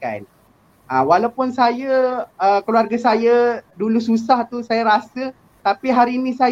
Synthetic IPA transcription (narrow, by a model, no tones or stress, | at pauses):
ka̰n | awalawpʊnsajaəkluarɡasajadulususaht̪usajaɾasə | t̪apiɦaɾiːnĩsa